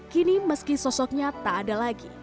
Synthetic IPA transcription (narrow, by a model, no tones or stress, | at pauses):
kiniməskisɔsɔk̚ɲat̪aːdalaɡi